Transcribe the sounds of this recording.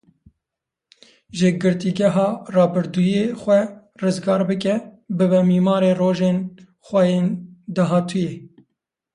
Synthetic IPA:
ʒɨɡɨɾt̪iɡɛɦɑːrɑːbɨɾd̪uːjexʷɛ | rɨzɡɑːɾbɨkɛbɨbɛmiːmɑːɾeːroːʒeːn | xʷɛjeːnd̪aɦɑːt̪ʰujeː

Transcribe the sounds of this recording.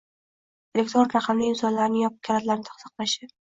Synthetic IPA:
elʲek̚ʲt̪ɾonɾaqʰɑmlɪɪmsɒnlaɾnɪjɒpp̚kʲʰalat̪laɾnɪt̪ʰɑχsɑ̥qlˠaʃɪ

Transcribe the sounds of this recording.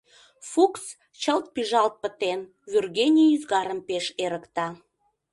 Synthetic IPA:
fuks | t͡ɕəlt̪̚piʒɑlt̪̚pə̆t̪en | vʲyrɣenʲiyzɣɑɾəmpeʃeɾəkt̪ɑ

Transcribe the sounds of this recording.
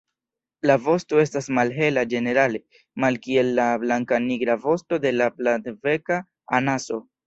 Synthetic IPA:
lavo̞sto̞e̞stasmalɦe̞lad͡ʒe̞ne̞ɾale̞ | malkie̞lːablaŋkaniɡɾavo̞sto̞de̞laplatve̞kaː | naso̞

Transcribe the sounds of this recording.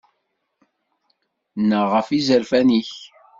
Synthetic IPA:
nəʁəfizəɾfæniç

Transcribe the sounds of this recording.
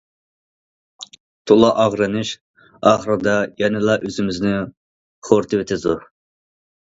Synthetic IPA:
t̪ʰolˠɑʔɑʁɾɨnɨʃ | ɑːχəɾɨd̪ɑjɛnɨlˠɑʔøzɪmɪznɪ | χoɾt̪ʰɨvɪt̪ʰɪd̪u

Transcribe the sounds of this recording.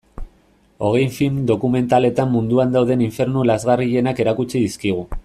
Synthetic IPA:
o̞ɣ̞e̞jɱfilmd̪o̞kume̞nt̪ale̞t̪amːund̪uand̪awðe̞niɱfe̞ɾnulazɣariʎe̞nake̞ɾakut͡siðiskiɣ̞u

